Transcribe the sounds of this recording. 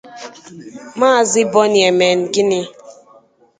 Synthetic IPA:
ma˦˨zi˦bɔ˦nje˨me˨n˨ɡi˦ni˦

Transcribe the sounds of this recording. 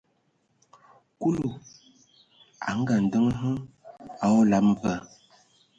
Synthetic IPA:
ku˦lu˨ | a̰˨ŋ̩˦ɡa˨n̩˨də˦ŋ˦ɦə˦ | a˦ɔ˦la˨pm˦və˨

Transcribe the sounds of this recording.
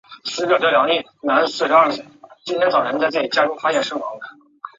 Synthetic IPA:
sɹ̩˧˥t͡ɕjt͡ɕjo˥˩jɑ˧˥ni˥˩ | na˧˥nsɹ̩˥˩ʂa˥˩ɕɛ˨˩˦t͡ɕi˥nt̪ʰjɛ˥nt͡sɑ˨˩ʊʈ͡ʂʰɛ˧˥nt͡sa˥˧ʈ͡ʂɤ˥˩i˨˩t͡ɕja˥ʈ͡ʂu˥fa˥ɕjɛ˥˩nʂɤ˥ŋwɑ̰˧˥ŋd̪ə˨˩

